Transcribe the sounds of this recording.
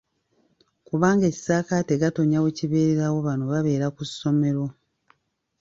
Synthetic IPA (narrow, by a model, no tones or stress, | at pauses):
kuβaːŋɡeci̥saːkateɡato̞ɲaweciβe̞ːɾeɾawo̞βano̞βaβe̞ːɾakusːo̞me̞ɾo̞